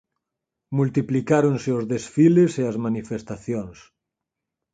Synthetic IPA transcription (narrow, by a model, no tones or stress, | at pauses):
mult̪iplikaɾonseozðesfileseɐzmanifest̪aθjoŋs